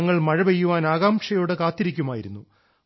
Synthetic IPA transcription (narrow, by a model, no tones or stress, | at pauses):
ɐŋːɐɭmɐɻɐʋejːuʋaːnaːɣaːmʂɐjo̞ːɽɨkaːt̪ːiɾikʲːumaːjiɾunːu